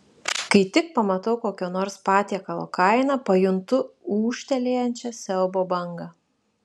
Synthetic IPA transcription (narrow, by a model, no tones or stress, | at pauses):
kɐɪt̪ʲɪk̚pɐmɐt̪ɐʊkoːkʲoːnoːɾspɑːt̪ʲiɛkɐlˠo̰ːkɐɪnɐpɐjʊnt̪ʊuːʃʲt̪ʲɛlʲeːjɛnʲt͡ʃʲɛsʲɛlˠboːbɐŋɡɐ